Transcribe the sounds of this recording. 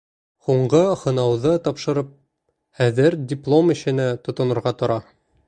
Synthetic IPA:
huɴɢɤhŏnɑwðɤt̪ɒpʃɤ̆ɾɤp̚ | æðɘɾdʲɪplˠomɘ̆ɕɘ̆næt̪ŏt̪ŏnɤ̆ɾʁɑt̪ŏɾɑ

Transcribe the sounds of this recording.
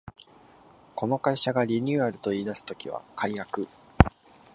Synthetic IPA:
ko̞no̞kaiɕaɡaɾʲiɲ̟ʲɨːaɾɯ̟t̪o̞iːd̪asɨ̥t̪o̞kʲiβa̰kʰaijakɯ̟

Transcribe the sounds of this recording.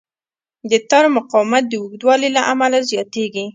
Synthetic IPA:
d̪ət̪ɑɾmʊqɑwmat̪̚d̪əwuɡd̪wɑlilaʔamalazjɑt̪eɡi

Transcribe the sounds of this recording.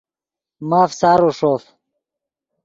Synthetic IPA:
maːfsaːɾuʂoːf

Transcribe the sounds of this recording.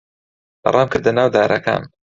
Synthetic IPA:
bɐ̰rˤʔaːmkɨɾd̪ɐnaːwd̪aːɾʔɐka̰ːn

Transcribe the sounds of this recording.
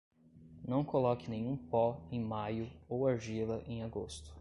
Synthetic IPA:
nɐ̃w̃kolɔkɪnẽj̃ũpɔẽj̃majʊowaɾʒilɐʔẽj̃aɡost̪ʊ̥

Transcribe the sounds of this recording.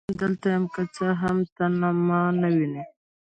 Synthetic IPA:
d̪əlt̪ajamkat͡saɦamt̪anamɑnawini

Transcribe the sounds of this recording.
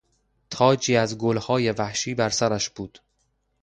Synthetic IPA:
t̪ʰɒːd͡ʒiːæzɡolhɒːje̞væhʃiːbæɾsæɾæʃb̥uːd̪̥

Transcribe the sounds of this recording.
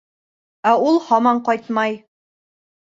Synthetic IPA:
æulˠhɒmɑɴqɒjt̪mɑj

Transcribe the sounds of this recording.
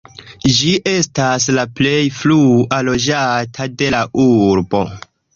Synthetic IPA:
d͡ʒiʔe̞staslaple̞jflualo̞d͡ʒatʰade̞laʔuɾbo̞̰

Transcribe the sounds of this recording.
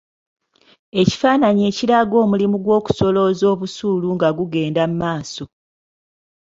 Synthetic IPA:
e̞ci̥faːnaɲe̞ːciɾaɡo̞ːmulimuɡwo̞ːku̥so̞lo̞zo̞ːβusuːluŋɡaɡuɡe̞ːndamumaːso̞

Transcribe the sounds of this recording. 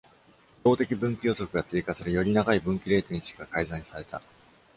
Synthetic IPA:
d̪̥o̞ːt̪e̞kʲibɯ̟̃ŋkʲijo̞so̞kɯ̟ɡat͡sɨikasɨɾɯ̟jo̞ɾʲinaɡaibɯ̟̃ŋkʲiɾe̞ːt̪oɲĩt͡ɕi̥i̥ɡakaizãɲːi̥saɾe̞t̪a̰

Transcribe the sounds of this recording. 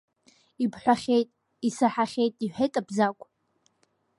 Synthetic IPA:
ipʰħʷᶣaχʲejtʼ | isaħaχʲejtʼiħʷᶣejtʼabzakʷʼ

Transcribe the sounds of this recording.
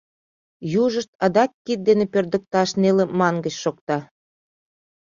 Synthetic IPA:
juʒəʃt̪ɑd̪ɑk̚kit̪̚d̪enepørd̪ə̆k̚t̪ɑʃnelemɑŋɡə̆t͡ɕʃokt̪ɑ

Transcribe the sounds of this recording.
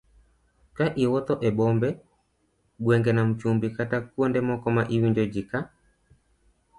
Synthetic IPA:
kaʔiwɔt̪ɔʔɛbɔmbɛ | ɡwɛŋɡɛnam̩t͡ʃumbikatakuɔndɛmɔkɔmaʔiwiɲd͡ʒɔd͡ʒika

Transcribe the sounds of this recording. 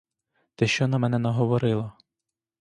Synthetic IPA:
t̪ɛʃt͡ʃɔnɐmɛnɛnɐɦɔʋɔɾɪlˠɐ

